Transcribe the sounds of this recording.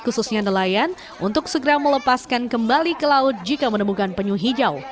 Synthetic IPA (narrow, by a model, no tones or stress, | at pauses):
kususɲanəlajan | ʔṵnt̪ʊksəɡəɾamələpaskankəmbalikəlaʊt̪̚d͡ʒikamənəmukanpəɲuɦid͡ʒaw